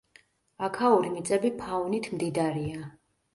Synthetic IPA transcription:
akʰauɾimit̪sʼɛbipʰavnit̪ʰmd̪id̪aɾia

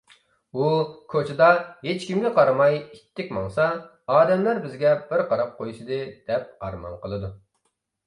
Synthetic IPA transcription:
ukʰot͡ʃʰɪd̪ɑɦet͡ʃkʲimɡʲɪqʰɑɾɨmɑjit̪ʰːɪkʲmɑŋsɑ | ɑːd̪ɛmlæɾbɪzɡʲɛbɪɾqɑɾɑp̚qʰojʃɨd̪ɨd̪̥ɛp̚ɑ̰ɾmɑ̰nqəlˠɨd̪u

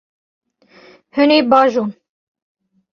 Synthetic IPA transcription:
hɨneːbɑːʒuːn

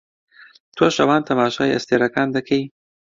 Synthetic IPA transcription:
t̪ʰoʃɐwɑːnt̪ʰɐmɑːʃɑ̰ːjʔɐ̰st̪eːɾɐkɑːnd̪ɐkʰej

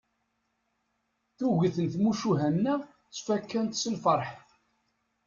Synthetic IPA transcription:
θuʝiθənθmuʃuɦænːæ | t͡sːfækːænt̪səlfəɾˤħ

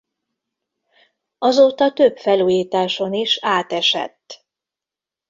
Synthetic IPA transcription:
ɒzoːt̪ɒt̪øbfɛluːjiːt̪aːʃo̞niʃaːt̪ɛʃɛ̰t̪ː

